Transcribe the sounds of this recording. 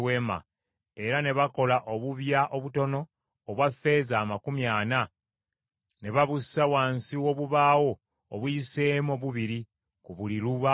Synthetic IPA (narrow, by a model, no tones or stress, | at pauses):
wema̰ | e̞ɾane̞βako̞laʔoβuβjaʔo̞βuto̞no̞ː | βwafːe̞ːzaːmakumjaːna | ne̞βaβusawaːnsiwo̞βuβaːwo̞ː | βwiseːmoβuβiɾi | kuβuliɾuβa